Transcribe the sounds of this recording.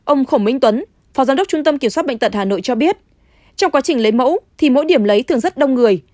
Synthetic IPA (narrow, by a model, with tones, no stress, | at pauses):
ʔə˧wŋ͡mxo˧˩wŋ͡mmï˧ŋ̟t̪wə˨˦n | fɔ˨˦zaː˨˦də˦˥k͡p̚t͡ɕu˧ŋ͡mt̪ə˧mki˧˩əmswa˦˥ɓa̰˧˨ŋt̪ə˨˩haː˨˩no̰˧˨jt͡ɕɔ˧ɓi˦˥ət̚ | t͡ɕɔ˧wŋ͡mkwa˨˦t͡ɕï˨˩ŋ̟lə˨˦jmə̰˧˥wt̪ʰi˨˩mo̰˧˥jɗi˧˩əmlə˨˦jt̪ʰɨ˨˩əŋzə˦˥t̚ɗə˧wŋ͡mŋɨ˨˩əj